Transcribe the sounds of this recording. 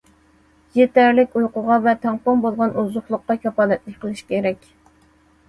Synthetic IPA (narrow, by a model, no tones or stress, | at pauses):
jet̪æɾlɪkʲujqʊʁɑvɛt̪ʰɛŋpombolˠʁɑnuzʊχlˠʊqːɑkʲʰɑfɑːlɛt̪lɪk̚ʲqʰəlˠɨʃkʲʰeɾɛkʲ